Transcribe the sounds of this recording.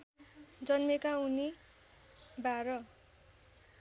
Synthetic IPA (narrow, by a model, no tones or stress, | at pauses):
d͡zʌnmekauni | baɾʌ